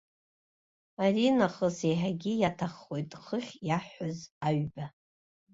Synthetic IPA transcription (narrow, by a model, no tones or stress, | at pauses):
aɾinaχəsejħaɡʲijatʰaχːo̞jtʼχəχʲjaħːazaɥba